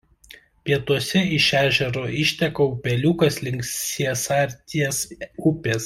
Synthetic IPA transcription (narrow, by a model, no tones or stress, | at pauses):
pʲiɛt̪uɔsʲɛɪʃʲæːʒʲɛɾoːɪʃʲt̪ʲɛkɐʊpʲɛlʲuːkɐslʲɪŋʲksʲiɛsɑɾʲt̪ʲiɛsʊpʲeːs